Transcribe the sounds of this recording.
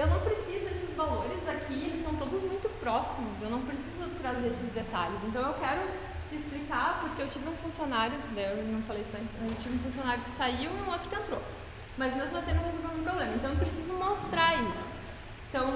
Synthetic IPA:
ewnɐ̃w̃pɾesizʊesɪzvaloɾɪzakʰielɪsɐ̃w̃t̪od̪ʊzmũj̃t̪ʊpɾɔsimʊsewnɐ̃w̃pɾesizʊt̪ɾazeɾesɪzd̪et̪a̰ʎɪsẽnt̪ɐ̃w̃ewkɛɾʊ | ɪsplikaɾpoɾkeewt͡ʃivɪũfũsionaɾjʊd̪ɛewnɐ̃w̃falejsɔẽnt͡ʃ̪ɪmɐzewt͡ʃivɪũfũsionaɾjʊkɪ̥saiwiũot̪ɾʊkɪẽnt̪ɾo | mɐzmezmʊvosenɐ̃w̃hezowvewnĩũp̬ɾoblẽmɐ̃t̪w̃ewp̬ɾesizʊmost̪ɾaisʊ̥ | ẽnt̪ɐ̃w̃

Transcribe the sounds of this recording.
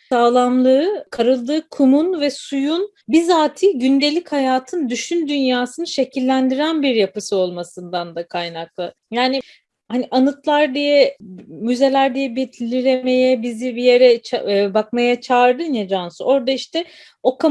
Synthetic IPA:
aːlˠamlˠɯɯkʰaɾɯlˠd̪ɯːkʰumunvɛsujun | bizaːt̪ʰiːɟynd̪e̞lʲichajaːt̪ʰɯnd̪yʃynd̪ynjaːsɯnɯʃe̞cʰilʲːænd̪iɾænbiɾjapɯsɯo̞lˠmasɯnd̪and̪akʰajnak̚lˠɯ | jaːni | haniʔanɯt̪lˠaɾd̪ijɛmyze̞lʲæɾd̪ijɛbet̪ʰlʲːiɾeme̞jɛbizibije̞ɾɛt͡ʃʰbakmajat͡ʃʰaɾd̪ɯned͡ʒansɯʔo̞ɾd̪aiʃt̪ɛ | o̞kʰa

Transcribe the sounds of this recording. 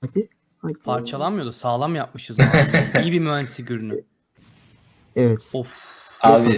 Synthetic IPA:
ad̪i | apʰaɾt͡ʃʰalˠamɯjo̞d̪usaːlˠamjap̚mɯʃɯzijibimyænsiɟyɾny | evɛt̪uf | aːbi

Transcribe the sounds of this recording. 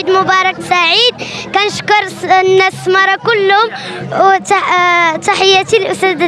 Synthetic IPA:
id̪mʊbɑɾˤɑk̚saʕid̪̚kænəʃkʊɾˤnːæsmɑɾˤɑkʊlːhʊm | t̪aħəjːæt̪ilʔʊst̪æd̪

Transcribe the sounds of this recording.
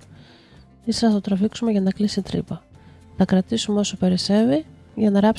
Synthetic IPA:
isɾɐθɐt̪ot̪ɾɐfiksume̞ʝɐnɐklisit̪ɾḭpɐθɐkɾɐt̪isumeo̞sope̞ɾise̞vi | ʝɐnɐɾɐps

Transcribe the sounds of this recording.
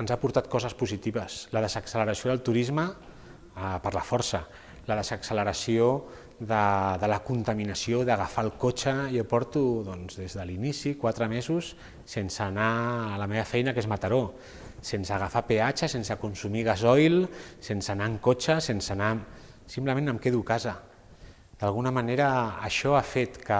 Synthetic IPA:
ənzapuɾt̪at̪̚kɔzəspuzit̪iβəsləðəzəksələɾəsioðəlˠt̪uɾizmə | pəɾləfɔɾsə | ləðəzəksələɾəsio | ðəðələkunt̪əminəsioðəɣafalˠkot͡ʃəjopɔɾt̪uðɔnzðezðəlinisikwat̪ɾəmezusː | ensənaːləmeβəfɛjnakezmat̪aɾo | sensəɣ̞afapeat͡ʃəsensəkunsumiɣ̞azɔjlsensənaŋkot͡ʃəsensəna | simpləmẽnəmkeðukazə | d̪̥alˠɣunəmaneɾə̰ːʃɔafet̪kə

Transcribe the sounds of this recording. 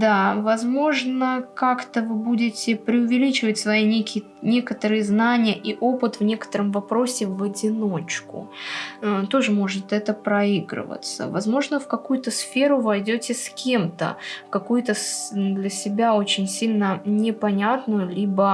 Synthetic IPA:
d̪avɐzmo̞ʐnəkakt̪əvɨbudʲɪtʲɪpɾʲɪʊvʲɪlʲit͡ɕɪvətʲsvɐinʲekʲɪ | nʲe̞kət̪əɾɨjəznanʲɪjəʔiʔo̞pɨt̪vnʲe̞kə̥t̪əɾəmvɐpɾo̞sʲɪvədʲɪnot͡ɕkʊ̰ | t̪o̞ʐɨmo̞ʐɨt̪ɛt̪əpɾɐiɡɾɨ̰və̰t̪sə̰vɐzmo̞ʐnəfkɐkujʊt̪əsfʲe̞ɾʊvɐjdʲotʲɪskʲe̞mt̪ə̰fkɐkujʊt̪əsd̪lʲɐsʲɪbʲao̞t͡ɕɪnʲsʲilʲnənʲɪpɐnʲat̪nʊjʊlʲibə

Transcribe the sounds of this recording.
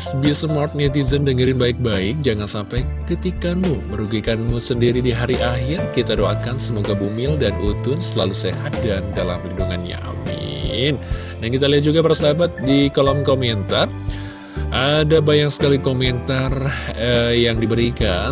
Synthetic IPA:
sbisəmɔrt̪̚net̪̬izəndəŋəɾɪnbaɪk̚baɪk̚d͡ʒaŋansampajkɾit̪ikanmuməɾuɡikanmusəndiɾidiɦaɾiʔaɦɪrkit̪adoakansəmoɡabumɪldanut̪ʊnsəla̰luseɦat̪̚dandala̰mlinduŋanɲa̰ʔa̰mɪ̰ | n | dankit̪̬aliɦat̪̚d͡ʒuɡapaɾasəlabat̪̚dikolamkomɛnt̪ar | ʔadabajaŋsə̥kalikomɛnt̪arəjaŋdibəɾika

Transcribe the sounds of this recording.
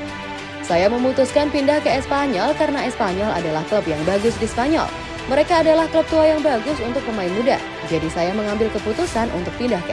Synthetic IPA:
sajaməmut̪uskanpindahkəɛspaɲɔlkaɾənaɛspaɲɔla̰dalahkləpjaŋbaɡʊsdispaɲɔ̰l | məɾekaːdalahkləp̚t̪uajaŋbaɡʊsunt̪ʊk̚pəmaɪnmuda̰ | d͡ʒadisajaməŋambɪlkəput̪usanʔṵnt̪ʊk̚pindahkə

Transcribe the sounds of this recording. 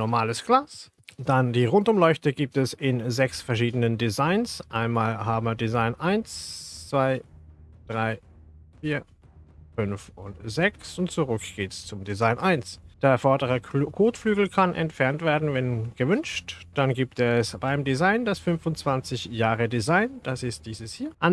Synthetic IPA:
nɔɐmaːləsɡ̥laːs | d̥andiːʁʊntʊmlɔʏçtəɡiːp̚tɛsɪnzɛksfɛɐʃ̬iːdənəndizaɪnsʔaɪnmaːlɦaːbəmdizaɪnʔaɪnst͡sv̥aɪd̥ʁaɪ | fiːɐ | fʏnfʊntz̥ɛksʊntt͡suʁʏkɡ̥eːtst͡sʊmdizaɪnʔaɪnsd̥eːɐfɔɐdəʁɐkʰoːtflyːɡl̩kʰanʔɛ̰ntfɛɐntv̥eːɐdn̩vɛnɡ̥əvʏnʃtd̥anɡiːptɛsb̥aɪmdizaɪnd̥asfʏnfʊnt͡sv̥ant͡sɪçjaːʁədizaɪnd̥asɪst̚d̥iːzəshiːɐʔan

